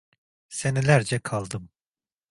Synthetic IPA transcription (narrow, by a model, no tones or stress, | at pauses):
se̞nilʲæɾd͡ʒɛkʰalˠd̪ɯm